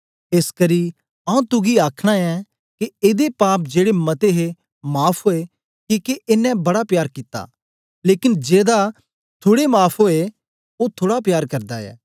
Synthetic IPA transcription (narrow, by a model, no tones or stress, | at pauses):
eːskɐɾi | ɐũt̪ʊɡiaːkʰɽ̃aɛ | keeːd̪epaːp̚d͡ʒeːɽemɐt̪eɦe | maːpʰɦoe | kikeʔɪnːɛ̃bɐɽapjaːɾkɪt̪a̰ | leːkɪnd͡ʒeːd̪a | t̪ʰoːɽemaːpʰoe | ot̪ʰoːɽapjaːɾkɐɾd̪aɛ̰ː